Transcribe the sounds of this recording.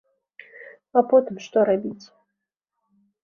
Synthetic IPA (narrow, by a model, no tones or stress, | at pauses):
apɔt̪ɨmʂt̪ɔɾabʲit͡sʲ